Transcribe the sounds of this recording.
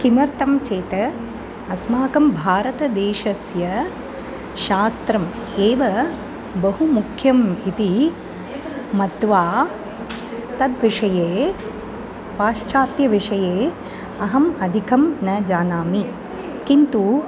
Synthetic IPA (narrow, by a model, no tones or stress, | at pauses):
kimɐɾt̪ɐmt͡ʃeːt̪ɐː | smaːkɐmbʱaːɾɐt̪ɐd̪eːʃɐsjɐ | ʃaːst̪ɾɐm | eːʋɐ | bɐɦumukʰjɐmit̪i | mɐt̪ʋaː | t̪ɐd̪ʋiʂɐjeː | ʋaːʂt͡ʃaːt̪jɐʋiʂɐjeː | ɐɦɐmɐd̪ʱikʰɐmnɐd͡ʒaːnaːmi | kint̪u